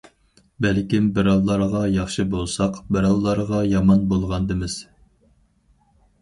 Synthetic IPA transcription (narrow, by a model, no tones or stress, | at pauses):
bælkʲimbɪɾɑlˠːɑɾʁɑjɑχʃɨbolˠsɑqbɪɾɑlˠːɑɾʁɑjɑmɑnbolˠʁɑnd̪ɨmɪz̥